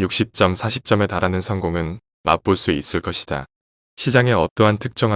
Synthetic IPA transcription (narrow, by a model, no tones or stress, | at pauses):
juk̚ɕ͈ip̚t͡ɕ͈ʌmsʰaɕʰip̚t͡ɕ͈ʌme̞taɾanɯnsʰʌŋɡoŋɯn | ma̰p̚p͈oɭs͈uis͈ɯɭk͈ʌɕʰi̥d̥a̰ | ɕʰid͡ʑaŋe̞ʌt͈ʌɦantʰɯk̚t͡ɕ͈ʌŋɦa